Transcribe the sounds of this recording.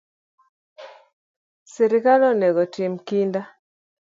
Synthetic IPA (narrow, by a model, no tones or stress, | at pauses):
siɾɪkalɔnɛɡɔtɪmkinda